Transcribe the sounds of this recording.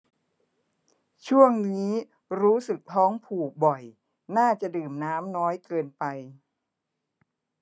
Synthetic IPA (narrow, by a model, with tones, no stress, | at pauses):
t͡ɕʰu˥˩əŋniː˦˥ | ɾuː˦˥sɯ˨˩k̚t̪ʰɔː˦˥ŋpʰuː˨˩bɔ˨˩j | naː˥˩t͡ɕa˨˩dɯː˨˩mnaː˦˥mnɔː˦˥jkɤː˧npa˧j